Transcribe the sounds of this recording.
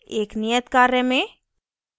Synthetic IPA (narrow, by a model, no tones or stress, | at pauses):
eːknijət̪kaːɾjəmẽ